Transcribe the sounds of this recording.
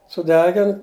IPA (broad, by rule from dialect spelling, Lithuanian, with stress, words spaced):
sʊˈdʲæːɡʲɪn